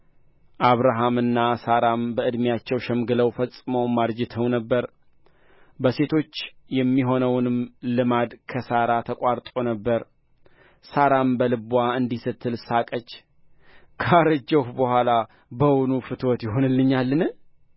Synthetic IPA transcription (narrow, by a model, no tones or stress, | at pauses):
ʔaβɾaɦamɨnːasaɾambəɨd̪mijat͡ʃːɛwʃɛmɡɨləwfəsʼɨməwmaɾd͡ʒɪt̪ʰəwnəbːəɾ | bəse̞t̪ʰo̞t͡ʃːjɛmːiɦo̞nəwnɨmlɨmad̪kʰəsaɾat̪ʰəkʼaɾt̪ʼonəbːəɾ | saɾambəlɨbʷaɨnd̪isɨt̪ʰːɨlsakʼət͡ʃː | kʰəaɾəd͡ʒəhbəhʷala | bəwʊnufɨt̪ʰwɔt̪jɪɦo̞nɨlːɨɲːalːɨnɨ